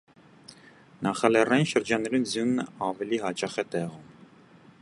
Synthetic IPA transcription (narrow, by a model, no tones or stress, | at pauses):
nɑχɑlɛrɑjinʃəɾd͡ʒɑnːɛɾunzjunəɑvɛliɦɑt͡ʃɑχɛt̪ɛʁum